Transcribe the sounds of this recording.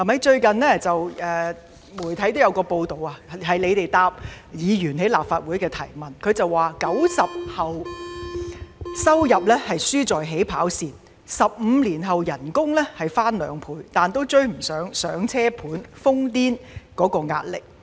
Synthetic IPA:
ɐ˨˩mɐ˨˥jt͡ʃɵ˧ɥkɐ˨nɛː˥t͡sɐ˨wʔɛː˨ | muː˨˩jt̪ʰɐ˨˥jt̪o˥wjɐ˧wkɔː˧po˧wt̪o˨wa˧ɦɐ˨jle˨˧jt̪e˨jt̪aː˧p̚jiː˨˧jyː˨˩nɦe˨˥jla̰ː˨˩p̚faː˧t̚wuː˨˥jkɛː˧t̪ʰɐ˨˩jmɐ˨nkʰɵ˨˧ɥt͡sɐ˨wːaː˨˩kɐ˨˥wsɐ˨p̚hɐ˨w | sɐ˥wjɐ˨p̚lɛː˥hɐ˨jsyː˥t͡sɔː˨jɦe˨˥jpʰaː˨˥wsiː˨˩n | sɐ˨p̚m̩ː˨˧liː˨˩nɦɐ˨wjɐ˨˩nkʊ˥ŋlɛː˥hɐ˨jfaː˥nlœː˨˧ŋpʰuː˨˧jt̪aː˨nt̪o˥wt͡ʃɵ˥ɥm̩˨˩sœː˨˥ŋsœː˨˥ŋt͡sʰɛː˥pʰuː˨˥nfʊ˥ŋt̪iː˥nkɔː˨˥kɔː˧ŋa̰ː˧t̚lɪ˨k̚

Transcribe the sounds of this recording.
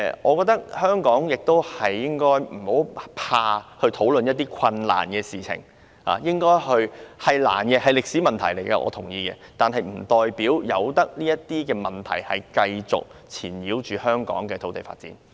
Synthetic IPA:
ʔɔː˨˧kɔː˧k̚t̪ɐ˥k̚hœː˥ŋkɔː˨˥ŋjɪ˨k̚t̪o˥whɐ˨jːɪ˥ŋkɔː˥jm̩˨˩ho˨˥wpʰaː˧hɵ˧t̪ʰo˨˥wlɵ˨njɐ˥t̚t̪iː˥kʷʰɐ˧nla̰ː˨˩nkɛː˧siː˨t͡sʰɪ̰˨˩ŋ | a̰ː˨jɪ˥ŋkɔː˥jhɵ˧ɥhɐ˨jla̰ː˨˩nkɛː˧hɐ˨jlɪ˨k̚siː˨˥mɐ˨nt̪ʰɐ˨˩jle˨˩jkɐ˧ʔɔ̰ː˨˧t̪ʰʊ˨˩ŋjiː˧kɛː˧t̪aː˨nɦɐ˨jm̩˨˩t̪ɔː˨jpiː˨˥wjɐ˨˧wt̪ɐ˥k̚liː˥jɐ˥t̚t̪ːiː˥kɛː˧mɐ˨˩nt̪ʰɐ̰˨˩jhɐ˨jkɐ˧jt͡sʊ̰˨k̚t͡sʰiː˨˩njiː˨˥wt͡ʃyː˨hœː˥ŋkɔ̰ː˨˥ŋkɛː˧o˨˥wt̪e˨˩fa̰ː˧t̚t͡sḭː˨˥n

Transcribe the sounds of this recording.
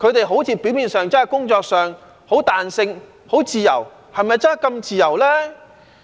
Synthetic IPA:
kʰɵ˨˧ɥt̪e˨jɦo˨˥wt͡siː˨˧piː˨˥wmiː˨nsœː˨ŋt͡sɐ˥nhɐ˨˩jkʊ˥ŋt͡sɔː˧k̚sœː˨˩ŋ | ho˨˥wt̪aː˨nsɪ˧ŋ | ho˨˥wt͡siː˨jɐ̰˨˩w | hɐ˨jmɐ˨jt͡sɐ˥n˥˨jkɐ˧mt͡siː˨jɐ˨˩wlɛː˥

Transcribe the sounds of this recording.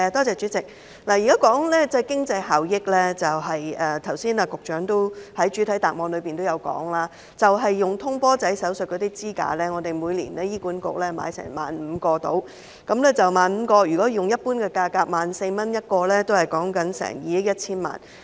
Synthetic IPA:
ɛ˨˧t̪ɔː˥t͡sɛː˨t͡ʃyː˨˥t͡sɪ˨k̚ | laː˨˩jiː˨˩kaː˨˥kɔː˨˥ŋlɛː˥t͡sɛ˥jkɪ˥ŋt͡sɐ˧jɦaː˨wjɪ˥k̚lɛː˥t͡sɐ˨wɦɐ˨jɛː˨˧t̪ʰɐ˨˩wsiː˥naː˧kʊ˨k̚t͡ʃœː˨˥ŋt̪o˥whɐ˨˥jt͡ʃyː˨˥t̪ʰɐ˨˥jt̪aː˨k̚mɔː˨˧nlɵ˨˧ɥpiː˨nt̪o˥wjɐ˨˧wkɔ̰ː˨˥ŋlaː˥ | t͡sɐ˨wɦɐ˨jːʊ˨ŋt̪ʰʊ˥ŋpɔː˥t͡sɐ˨˥jsɐ˨˥wsɵ˨t̚kɔː˨˧t̪iː˥t͡siː˥ka̰ː˧lɛː˥ŋɔː˨˧t̪e˨jmuː˨˧jlḭː˨˩nɛː˥jiː˥kuː˨˥nkʊ̰˨˥k̚lɛː˥ma̰ː˨˧˥jsɛ̰ː˨˩ŋma̰ː˨nm̩˨˧kɔː˧t̪o̰˨˥w | kɐ˨˧˥mlɛː˥t͡sɐ˨wmaː˨nm̩˨˧kɔː˧jy˨˩kɔː˨˥jʊ˨ŋjɐ˥t̚puː˥nkɛː˧kaː˧kaː˧k̚maː˨nse˧jmɐ˥njɐ˥t̚kɔː˧lɛː˥t̪o˥whɐ˨˩jkɔː˨˥ŋkɐ˨˥nsɛ̰ː˨˩ŋjiː˨˧jɪ˥jɐ˥t̚t͡sʰiː˥nma̰ː˨˩n

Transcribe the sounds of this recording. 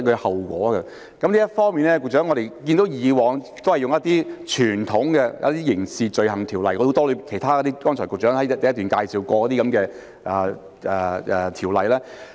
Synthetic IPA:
kɵ˧hɐ˨˩wkʷɔ̰ː˨˥ɡɐ˧ | kɐ˨˥mnliː˥jɐ˥t̚fɔː˥ŋmiː˨nlɛː˥kʊ˧k̚t͡ʃœː˨˥ŋɔː˨˧ɾe˨jkiː˧nt̪o˨˥wjiː˨˧wɔː˨ŋ | t̪o˥whɐ˨˩jʊ˨ŋjɐ˥t̪iː˥t͡ʃʰyː˨˩nt̪ʰʊ˨˥ŋɡɛ˧jɐ̰˥t̪iː˥jɪ˨˩ŋsiː˨˧t͡ʃɵ˨˧ɥɦɐ˨˩ŋt̪ʰiː˨˩wlɐ˨jkɔ˧˥o˧˥t̪ɔː˥lɵ˨˧i˨kʰjt̪ʰaː˥kɔ˧˥t̪iː˥kɔː˥ŋnʰt͡ʃʰɔ˨˩kʊ˨k̚t͡ʃœː˨˥ŋhɐ˨˥jtt̪ɐ˨jɐ˥t̪yː˨nkaː˧jsiː˨wkɔː˧kɔ˧˥t̪iː˥kɐ˨˧˥mkɛː˧ | ʔɛː˨˩ | ɛː˨˩˨t̪ʰiː˨˩wlɐ˨jlɛː˥

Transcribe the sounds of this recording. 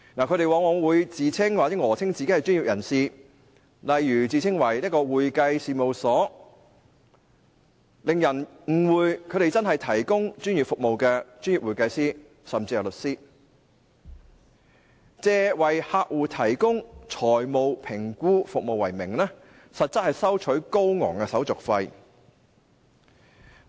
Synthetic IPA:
naː˨˩kʰɵ˧tɾe˨jwaː˨˧ŋɔː˨˧wuː˨˧jt͡siː˨˧t͡sʰɪ˥ŋwa˨t͡sɛː˨˥ŋɔː˨˩t͡sʰɪ˥ŋt͡siː˨ke˥hɐ˨˩jt͡ʃy˥njiː˨p̚jɐ˨˩nsiː˨ | lɐ˨jːyː˨˩t͡siː˨˧t͡sʰɪ˥ŋwɐ˨˩jliː˥kɔː˧wuː˨jkɐ˧jsiː˨˧mo˨wsɔː˨˥ | lɪ˨ŋjɐ˨˩n | ŋ̩˨˩wuː˨˧jkʰɵ˨˧ɾe˨jt͡sɐ˥nɦɐ˨jt̪ʰɐ˨˩jkʊ˥ŋt͡ʃyː˥njyː˨˩fʊ˨k̚mo˨wkɛː˧t͡ʃyː˥njiː˨p̚wuː˨˩jkɐ˧jsiː˥ | sɐ˨mt͡si˧jɐ˨˩wlɵ˨t̚siː˥ | t͡sɛː˧wɐ˨˩jhaː˧k̚wuː˨˩t̪ʰɐ˨˩jkʊ˥ŋt͡ʃt͡sʰɔː˨˩jmo˨wpʰɪ˨˩ŋkuː˥fʊ˨k̚mo˨wɐ˨˩jmɪ˨˩ŋlɛː˥ | sɐ˨t̚t͡sɐ˥t̚hɐ˨jsɐ˥wt͡ʃʰɵ˨˥ɥko˥wŋɔ̰ː˨˩ŋkɛː˧sɐ˨˥wt͡sʊ˨k̚fɐ˧j

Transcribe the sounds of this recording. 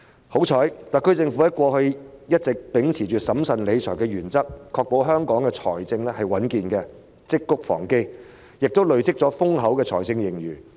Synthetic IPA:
ho˨˥wt͡ʃʰɔː˨˥jt̪a˨kʰːɵ˥t͡sɪ˧ŋfu˨˥hɛː˥kʷɔː˧hɵ˧ɥjɐ˥t̚t͡sɪ˨k̚pɪ˨˥ŋt͡sʰiː˨˩t͡ʃyː˨t̚sɐ˨˥msɐ˨nle˨˧jt͡ʃʰɔ̰ː˨˩jkɛː˧ɥyː˨˩nt͡sɐ˥k̚kʰɔː˧k̚po˨˧˥wɦœː˥ŋkɔː˨˥ŋkɛ˧t͡sʰɔ̰ː˨˩jt͡sɪ˧ŋlɛ˥hɐ˨jwɐ˨˥nkiː˨nkɛː˧ | t͡sɪ˥kːʊ˥k̚fɔ̰ː˨˩ŋke˥j | jɪ˨k̚t̪o˥wlɵ˨ɥt͡sɪ˥k̚t͡sɔː˨˥fʊ˥ŋɦɐ˨˥wkɛː˧t͡sʰɔː˨˩jt͡sɪ˧ŋjɪ˨˩ŋjyː˨˩

